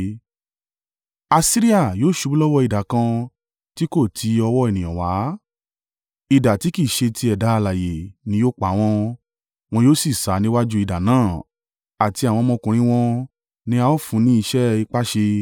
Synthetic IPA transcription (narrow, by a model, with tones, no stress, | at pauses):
a˧si˦ɾi˦a˦˨joː˦˨ʃu˧˦blɔ˦wɔ˦i˨da˨kã˧ | ti˦ko˦˨tʰi˨˧˦ɔ˧wɔ˦e˨nĩ˨j̃ɔ̰̃˨wa˨˦ | i˨da˨ti˨˦ki˦˨ʃe˧tʰi˧˦ɛ˨da˨˦˧la˨je˨nĩ˧˦joː˦k͡pa˨˦w̃ɔ̃˧ | w̃ɔ̃˧joː˦si˦˨sa˨˦nĩ˦wa˦d͡ʒu˦i˧da˨nãː˦˨ | a˨ti˧a˨w̃ɔ̃˧mɔ̃˧kũ˨˧ɾ̃ĩ˦w̃ɔ̃˧ | nĩ˧˦a˧o˦fũ˨˧˦nĩ˦i˧ʃɛ˦i˧k͡pa˦ʃe˧